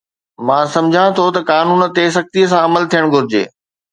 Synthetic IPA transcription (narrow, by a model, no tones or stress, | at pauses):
mãːsɐ̃md͡ʑʱãt̪ʰot̪ɐkaːnuːn̆t̪es̬ɐk̚t̪iəs̬ãɐməlt̪ʰijəɽ̃ɡʱʊɾɪd͡ʑḛː